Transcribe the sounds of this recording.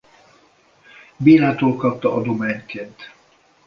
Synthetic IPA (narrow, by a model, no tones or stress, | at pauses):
biːɾaːt̪oːlkɒp̚t̪ɒʔɒd̪omaːɲkʰeːnt̪